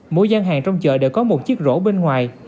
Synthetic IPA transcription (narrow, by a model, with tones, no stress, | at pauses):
mo˧jzaː˧nɦaː˨˩ŋt͡ɕɔ˧wŋ͡mt͡ɕə̰ː˧˨ɗḛ˧˩wkɔ˨˦mo˨˩t̚t͡ɕi˦˥ək̚zo̰˧˥ɓe˧nŋwaː˨˩j